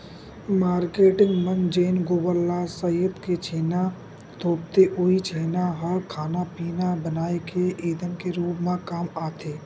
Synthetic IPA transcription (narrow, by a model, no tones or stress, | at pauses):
maːɾkeːʈɪ̃ŋɡmənd͡ʒeːnɡoːbəlːasəət̪ket͡ʃʰeːna | t̪ʰoːp̚t̪eʔʊit͡ʃʰeːnaɦəɾkʰaːnapiːnabənaːekʰeʔiːd̪ənkeɾuːpmãkaːmaːt̪ʰeː